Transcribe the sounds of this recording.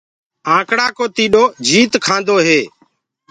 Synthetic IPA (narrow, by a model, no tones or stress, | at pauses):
ãːkɽaːkoːt̪iːɗoːd͡ʒʱiːt̪kʰãːnd̪oːɦeː